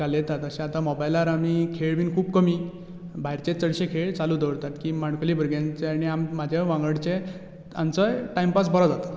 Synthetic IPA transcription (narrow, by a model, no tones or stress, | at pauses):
alet̪at̪əɕẽat̪amɔbajlaɾamikʰeɭʋiːnkʰuːbkəmi | bʱaɦiɾt͡ɕet͡səɽɕekʰeɭt͡saluːd̪əʋɽt̪at̪kiːmaɳkʰoliːbʱəɾɡjãnt͡seaɽ̃iammad͡ʑʱaʋãŋɡəɽt͡ɕe | a̰mt͡səjʈajmpas̬bəɾad͡zat̪a